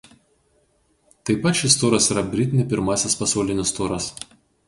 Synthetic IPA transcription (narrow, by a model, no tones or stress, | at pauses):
t̪ɐɪpɐt̪ʃʲɪst̪oːɾɐsiːɾɐbʲɾʲɪt̪ʲɪnʲɪpʲɪɾmɑːsʲɛspɐsɐʊlʲɪnʲɪst̪oːɾɐs